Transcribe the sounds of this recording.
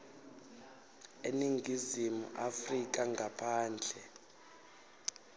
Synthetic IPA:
eniŋɡʱizimṵʔafrik̬aŋɡʱapʰaːnd͡ɮʱɛ

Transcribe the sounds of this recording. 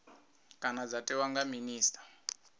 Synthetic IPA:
kʼanad͡zatɛwaŋɡaminiːstʼḁ

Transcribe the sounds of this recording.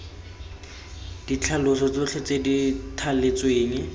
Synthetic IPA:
d̥it͡ɬʰalʊsɔt͡sʊt͡ɬʰet͡seditʰalɪt͡sweːŋɛ

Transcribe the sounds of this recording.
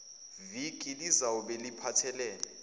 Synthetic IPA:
vikʼilizawɔɓelipʰatʰɛlɛːlɛ

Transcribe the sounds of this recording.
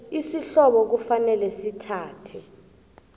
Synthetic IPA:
isiɬɔɓɔk̬ufanɛlɛsitʰaːtʰɛ

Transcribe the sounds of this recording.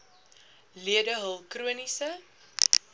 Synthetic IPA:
liədəɦəlˠkruənisə

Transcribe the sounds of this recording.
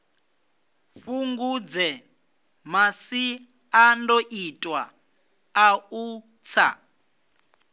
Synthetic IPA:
ɸuŋɡud͡zɛ | masi | andoʔitʼwa | au | t͡sʰa̰

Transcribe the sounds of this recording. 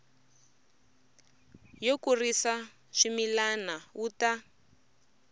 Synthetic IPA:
jokurisa | ʂimilanawuta

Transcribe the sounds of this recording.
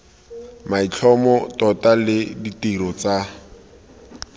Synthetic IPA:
mait͡ɬʰɔmɔtɔtalɪditiɾɔt͡sa

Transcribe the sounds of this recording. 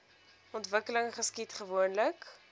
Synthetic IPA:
ɔntvəkələŋχəskitχəvuənlək

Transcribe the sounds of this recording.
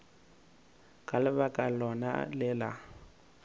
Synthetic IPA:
kʼalɪbakʼalɔna̰lɪla

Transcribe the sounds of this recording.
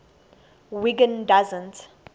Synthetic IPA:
wiɡə̃ndazə̃nt

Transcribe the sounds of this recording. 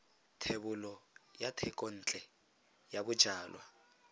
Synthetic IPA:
tʰeβulɔjatʰɛkʼɔn̩ːt͡ɬʼɛ | jaβud̥ʒ̥ʱaːlwa̰

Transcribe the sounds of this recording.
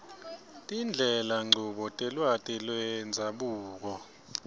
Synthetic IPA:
tʼind͡ɮʱɛlaŋ͡ǀʱuɓɔtʼɛlwatʼɛlwɛnd͡zʱaɓuːk̬ɔ

